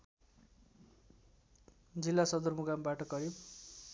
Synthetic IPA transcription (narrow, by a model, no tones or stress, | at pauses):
d͡zilːasʌd̪ʌrmuɡambaʈʌkʌɾib